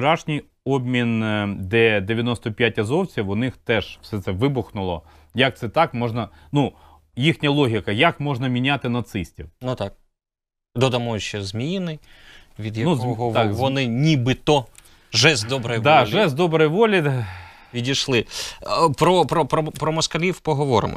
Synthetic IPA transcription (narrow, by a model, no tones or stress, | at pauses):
t͡ʃʊɾɑʃnʲij | ɔbmʲind̪ɛd̪eʋʲjɐnɔst̪ɔpʲjatʲɐzɔwt͡sʲiwʊnɪxt̪ɛʒw̥sɛt̪sɛʋɪbʊxnʊlˠɔ̰ | jɐk̚t̪sɛt̪ɑkmɔʐnɐ | nu | jixnʲɐlˠɔɦʲikɐjɐkmɔʐnɐmʲinʲat̪ɪnɐt̪sɪsʲtʲiwnut̪ɑk̚ | d̪ɔd̪ɐmɔjʊt͡ʃɛzmʲinɪ | ʋʲid̪jɐnuzkɔɦɔɑkʋɔnɪnʲibɪt̪ɔ | ʒɛzd̪ɔbɾɔjd̪ɑʒɛzd̪ɔbɾɔjʋɔlʲi | ʋʲidʲiʃlˠɪ | pɾɔpɾɔpɾɔpɾɔmɔskɐlʲiwpɔɦɔʋɔɾɪ̰mɔ̰